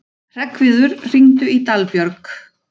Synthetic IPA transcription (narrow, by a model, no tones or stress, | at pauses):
r̥ɛkvɪðʏɾr̥iŋt̪ʏit̪alpjœɾk